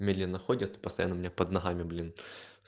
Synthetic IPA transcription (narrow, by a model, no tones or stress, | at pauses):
mʲed̪lʲinɐxodʲɪt̪ɨ̥pə̥st̪ɐjanːəʊmʲɪnʲapɐd̪nɐɦamʲɪblʲin